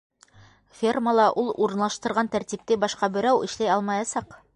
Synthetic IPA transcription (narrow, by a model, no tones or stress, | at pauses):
fʲerməlˠɑʔulˠuɾɤ̆nlˠɑʃt̪ɤ̆ɾʁɑnt̪æɾt̪ʲip̚t̪ɘbɑʃqɑbɘ̆ɾæwɘ̆ʃlæjɑlˠmɑjɑsɑq